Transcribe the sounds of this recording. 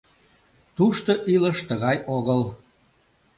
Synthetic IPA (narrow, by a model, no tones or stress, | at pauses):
t̪uʃt̪oʔiləʃt̪əɣɑjoɣəl